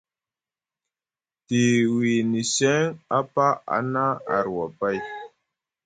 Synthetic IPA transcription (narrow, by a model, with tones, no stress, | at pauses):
ti˨wi˨ni˨sɛ˦ŋa˦pa˦a̰˦na˦a̰˨ɾwa˨pa˦˨j